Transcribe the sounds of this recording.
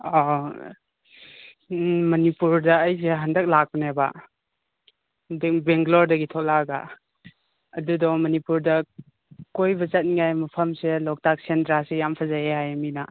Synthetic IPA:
a | mɐnipuɾdɐːjseɦandɐk̚lak̚pneba̰ | bbeŋɡlɔɾdɐɡitʰɔk̚laɡa̰ | ɐdudɔmɐnipuɾdɐ | kojbɐt͡ʃɐt̚niŋajmɐpʰɐmselɔk̚tak̚sendɾasejampʰɐzajehajmina

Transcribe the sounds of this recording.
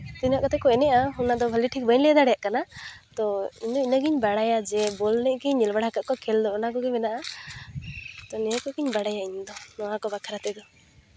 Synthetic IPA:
t̪inaʔkɔt̪ɛkɔɛnɛʔaɦunad̪ɔbʱəliʈʰik̚bəɲlɛjd̪aɽɛjaʔkanat̪ɔḭɲd̪ɔinaɡiɲbaɽajad͡ʒɛbɔlnɛʔɡiɲɛlbaɽakaʔkɔkʰɛld̪ɔɔnakɔɡɛmɛnaʔa | t̪ɔnɛkɔɡiɲbaɽajaiɲd̪ɔnɔwakɔbakʰaɾat̪ɛd̪ɔ

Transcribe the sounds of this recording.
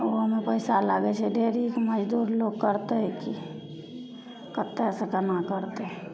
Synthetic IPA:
oɦmepəɪsalaɡɛt͡ʃʰɛɖʱeɾikməd͡ʒd̪uːɾloɡ̚kəɾt̪eɦɛki | kət̪ːesəkənakəɾt̪eɛ

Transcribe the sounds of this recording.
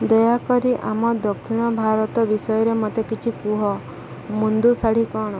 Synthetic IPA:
d̪ɔjakɔɾiʔa̰mɔd̪ɔkʰːiɽ̃ɔbʱaɾɔt̪ɔbisɔjɔɾemɔt̪ekit͡ʃʰikuɦɔ | mund̪usaɽ̤ikɔɽ̃ɔ

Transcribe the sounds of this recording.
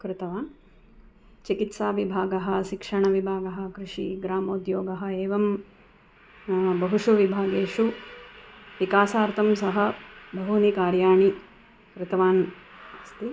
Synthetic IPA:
kɾɪt̪ɐʋaːn | t͡ʃikit̪saːʋibʱaːɡɐɦɐ̆ʃikʂɐɳɐʋibʱaːɡɐɦɐ̆kɾɪʂḭɡɾaːmoːd̪joːɡɐɦɐ̆eːʋɐm | bɐɦuʂuʋibʱaːɡeːʂu | ʋikaːsaːɾt̪ʰɐmsɐɦɐ̆bʱɐɦunikaːɾjaːɳi | kɾɪt̪ɐʋaːnɐst̪i

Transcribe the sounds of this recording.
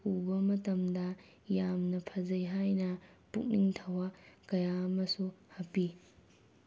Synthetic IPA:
ubɐmɐtɐmdɐ | jamnɐpʰɐzɐjɦajnɐ | puk̚niŋtʰawɐkɐjaːmɐsuhɐpi

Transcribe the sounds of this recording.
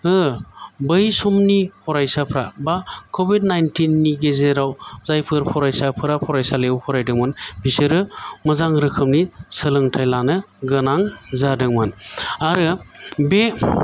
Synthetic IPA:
ɯbɯjsumnipʰɔɾajsapʰɾabakʰobid̚najntʰinːiɡezeɾawzajpʰɯɾpʰɔɾajsapʰɯɾapʰɔɾajsalewpʰɔɾajdɯŋmanbisɯɾɯmɯzaŋɾɯkʰɯmnisɯlɯŋtʰajlanɯ | ɡɯnaŋzadɯŋmanaɾɯbe

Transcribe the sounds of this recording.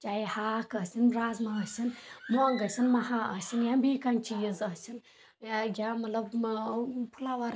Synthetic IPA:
t͡ʃaihakɐsʲinɾazmaəsinmoŋɡəsʲinmɐɦaʔəsinjambikɐnt͡ʃizɐsʲin | d͡ʒamɐt̪lɐb | pʰulaʋaɾ

